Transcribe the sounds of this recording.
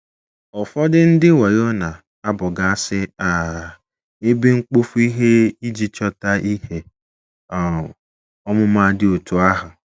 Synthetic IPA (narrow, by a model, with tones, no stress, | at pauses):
ɔ˨fɔ˦dɪ˦n̩˦dɪ˦wɔ˨jo˦na˨ | a˦bʊ˨ɡa˨˦sɪ˦a˨ | e˦be˦ŋ͡m̩˦k͡po˦fu˦i˦ɦe˦i˦d͡ʒi˦t͡ʃɔ˦ta˦ʔi˦ke˨ | ɔ˦mʊ˦ma˦dɪ˦o˨tu˨a˦ɦʊ˨